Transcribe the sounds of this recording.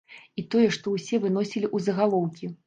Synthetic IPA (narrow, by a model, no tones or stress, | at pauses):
it̪ɔjɛʂt̪ɔwsʲɛvɨnɔsʲilʲiʔuzɐɣalˠɔwkʲi